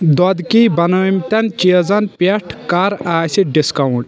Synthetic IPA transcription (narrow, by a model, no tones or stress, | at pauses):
d̪ɔd̪kibɐnɐmt̪ʲɐnt͡ʃiɐzɐnpeʈʰkaːɾaːsiɖiskɐwɳʈ